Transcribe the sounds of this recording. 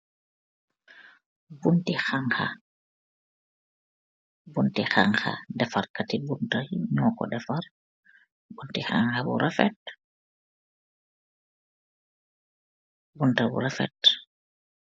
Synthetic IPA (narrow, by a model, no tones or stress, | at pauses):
buntixaŋxa̰ | buntixa̰ŋxa̰dɛfarkatibuntaɲɔːkɔ̰dɛfar | buntixa̰ŋxabṵɾʔafɛt̚ | buntabṵɾafɛ̰t